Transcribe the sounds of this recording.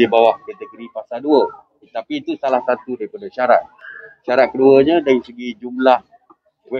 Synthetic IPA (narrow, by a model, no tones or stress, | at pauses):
ibawaʔkat̪əɡoɾipasalduə | t̪apit̪usalahsat̪udaɾipadaʃaɾa̰t̪̚ʃaɾat̪̚kəduəɲãdaɾisəɡid͡ʒumlah | wɛ